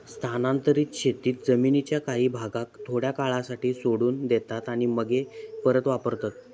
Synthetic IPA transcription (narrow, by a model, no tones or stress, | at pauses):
st̪ʰanãnt̪əɾiːt̪ɕet̪iːt̪d͡zəminit͡ɕjakaɦiːbʱaɡak̚t̪ʰoɽjakaɭasaʈiːsoɽuːnd̪et̪at̪aɽ̃iməɡʱepəɾət̪ʋapəɾt̪at̪